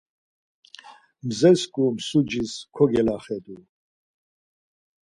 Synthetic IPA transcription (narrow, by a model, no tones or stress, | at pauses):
mzɛskʼumsud͡ʒiskʰɔɡɛlaχɛd̪u